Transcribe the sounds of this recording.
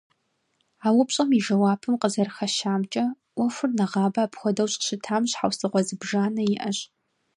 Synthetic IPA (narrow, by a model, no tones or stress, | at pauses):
aːwʊpɕʼɐmiʒɐwaːpʰɨmqəzɐrxɐʃaːmt͡ʃʼɐ | wɔfʷʊrnɐʁɑːbɐːpxʷɔdɐwɕʼɕɪtʰaːmɕħawsɨʁʷɔzɨbʒaːnɐjɪʔɐɕʼ